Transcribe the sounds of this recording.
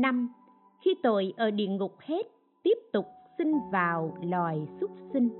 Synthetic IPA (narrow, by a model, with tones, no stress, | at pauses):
na˧m | xi˧t̪o˧˩˨jʔəː˧˩ɗḭ˧˨ənŋʊ˨˩k͡p̚he˦˥t̚ | t̪i˦˥əp̚t̪ʊ˨˩k͡p̚si˧ŋvaː˨˩wlwaː˨˩jsʊ˦˥k͡p̚sï˧ŋ̟